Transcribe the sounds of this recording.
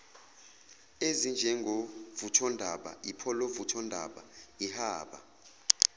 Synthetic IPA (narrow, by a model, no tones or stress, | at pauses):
ezind͡ʒʱɛŋɡʱovutʰɔndʱaɓa̰ipʰɔlovutʰɔndʱa̰ɓaihaːɓa̰